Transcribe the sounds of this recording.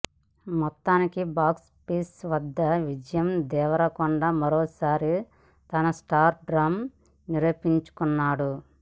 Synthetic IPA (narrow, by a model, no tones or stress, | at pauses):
mɔt̪ːaːnikibaːks | piːsʋɐd̪ːɐʋid͡ʒɐjɐmd̪ɛːʋɐɾɐkuɳɖaːmɐɾɔːsaːɾi | t̪ɐnɐsʈaːɾɖɾaːm | niɾɐːpiɲt͡ʃu̥kunːaːɽu